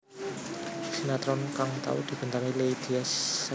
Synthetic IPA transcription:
sinat̪ɾɔnkaŋt̪a̰ud̪̥i̤b̥ə̤nt̪aŋileid̪̥iɛsː

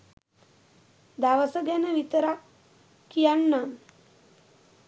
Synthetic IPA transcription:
d̪aʋəsəɡænəʋit̪əɾa | kijanːam

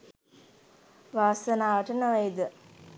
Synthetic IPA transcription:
ʋaːsənaːʋəʈənəʋejd̪ə

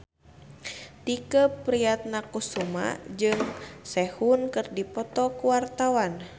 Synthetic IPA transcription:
t̪ikəpɾiat̪̚nakusuma̰d͡ʒɨŋsɛhunkɨrdipɔt̪ɔkuwart̪awan

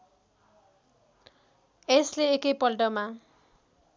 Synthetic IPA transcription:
esleekʌjpʌlʈʌma

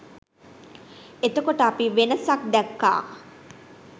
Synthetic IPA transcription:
et̪əkoʈəapiʋenəsak̚d̪ɛkːa̰ː

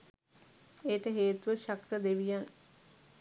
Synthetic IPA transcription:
ejːʈəɦeːt̪uʋəʃakt̪əd̪eʋijaŋ

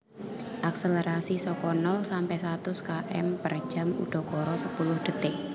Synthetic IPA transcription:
ʔak̚seleɾasisɔkɔnɔlsampɛjsat̪ʊskaʔɛ̰mpər̥ʒ̥a̤mṵɖ̪̥ɔ̤kɔɾɔsəpulʊhɖ̥ə̤t̪ɪʔ̚

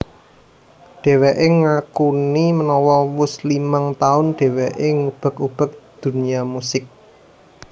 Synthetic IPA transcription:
ɖ̥e̤weʔeŋakunimənɔwɔwʊslimaŋt̪aʊnɖ̥e̤weʔeŋub̥ə̤kub̥ə̤k̚d̪̥ṳniamusɪk̚

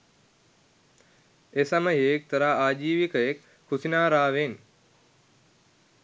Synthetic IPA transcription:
esɐməɦek̚t̪əɾaːaːd͡ʒiːʋikəjekʰː | usinaːɾaːʋen

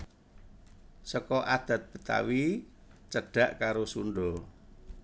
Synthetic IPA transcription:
sɔkɔʔad̪̥a̤t̪̚b̥ə̤t̪a̰wi | t͡ʃəɖ̥a̤ʔkaɾosunɖɔ

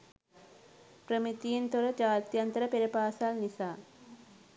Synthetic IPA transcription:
pɾɐmit̪ijint̪oɾɐd͡ʒaːt̪jɐnt̪ɐɾɐpeɾipaːsaːlnisaː

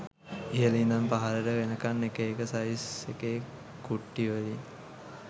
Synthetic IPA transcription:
ijəlind̪ampaɦaɾəʈəʋenəkanːekəekəsaiseke | kuʈːiʋəlin

